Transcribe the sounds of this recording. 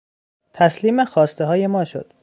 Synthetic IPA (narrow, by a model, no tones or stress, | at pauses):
t̪ʰæsliːmexɒːst̪eɦɒːje̞mɒːʃo̰d̪̥